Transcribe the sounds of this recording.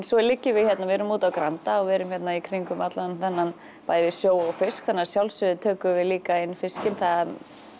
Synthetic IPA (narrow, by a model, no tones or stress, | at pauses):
nsɔɛlɪcːɪvɪðçjɛt̪navɛɾʏmuːt̪awkɾant̪aɔɣvɛːɾʏmçɛt̪naikʰɾɪŋkʏmat̪lanθɛnːan | paːjɪvɪsjoːwɔɣfɪskθɛnːaɾ̥sjawlsʏðɪt̪ʰœːkʏvɪliːkaɪnːfɪscɪnθað